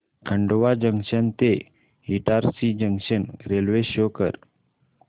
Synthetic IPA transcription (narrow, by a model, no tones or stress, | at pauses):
kʰəɳɖoʋad͡ʑəŋʃənt̪e | iʈaɾsid͡ʑəŋɕənɾelʋeɕokəɾ